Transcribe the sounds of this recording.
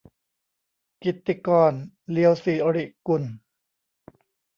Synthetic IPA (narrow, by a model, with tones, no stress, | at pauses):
ki˨˩t̪ːi˧kɔː˧˩n | li˧˦ə˧wsiː˨˩ʔo˧ɾi˧˩ʔku˧˩n